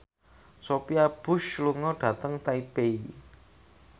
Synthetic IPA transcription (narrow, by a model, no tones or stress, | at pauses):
sopiab̥ʊ̤ʃluŋɔɖ̥ä̤t̪əŋt̪aib̥ei